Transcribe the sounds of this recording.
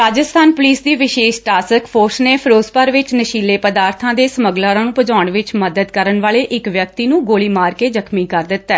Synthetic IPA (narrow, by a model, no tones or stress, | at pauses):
ɾaːd͡ʒəst̪ʰaːnpʊliːsd̪iːʋɪʃeːʃʈaːsəkpʰoːɾsneːpʰəɾoːspəɾʋɪt͡ʃnəʃiːleːpəd̪aːɾt̪ʰãːd̪eːsəməɡlãːɾãːnũːpəd͡ʒaːʊɳʋɪt͡ʃməd̪əd̪kəɾəɳʋaːleːʔɪkʋjək̚t̪iːnũːɡoːliːmaːɾkeːd͡ʒəkʰmiːkəɾd̪ɪt̪ːɛː